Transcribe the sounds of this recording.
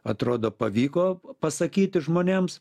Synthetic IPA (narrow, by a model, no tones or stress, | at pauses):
ɐt̪ɾoːd̪oːpɐʋʲiːkoːpɐsɐkʲiːt̪ʲɪʒmoːnʲeːms